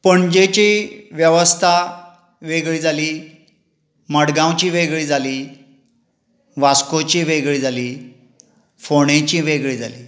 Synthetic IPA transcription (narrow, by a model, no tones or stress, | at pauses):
pəɳd͡ʑet͡ɕiːʋjəʋəst̪ʰa | ʋeɡɭiːd͡zʱaliː | məɽɡãwt͡ɕiːʋeɡɭiːd͡zʱaliː | ʋaskot͡ɕiːʋeɡɭiːd͡zʱaliː | foɽ̃ẽt͡ɕiːʋeɡɭiːd͡zʱaliː